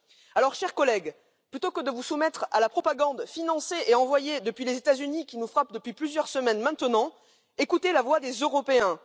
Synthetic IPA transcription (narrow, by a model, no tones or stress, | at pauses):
alɔʁʃɛʁkɔlɛɡ | plyt̪okəd̪əvusumɛt̪χa̰lapχɔpaɡɑ̃d̪finɑ̃seʔeɑ̃vwajed̪əpɥilezet̪azynikʲinufχap̚d̪əpɥiplyzjœʁsəmɛnmɛ̃t̪ənɑ̃ | ekut̪elavwad̪ezøʁɔpeɛ̃